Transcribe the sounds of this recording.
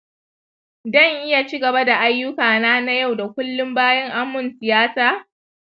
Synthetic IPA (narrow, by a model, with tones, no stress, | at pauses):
dɔ˦˨ŋʔɪ˦ja˨t͡ʃi˦ɡɐ˨ba˦da˨ʔa˦jːʊ˦kaː˨naː˦na˦ja˦˨wda˨kʷʊ˦lːʊ˦mbaː˦jɐ˦ŋʔa˦mːʊ˨nsɪ˨jaː˦saː˨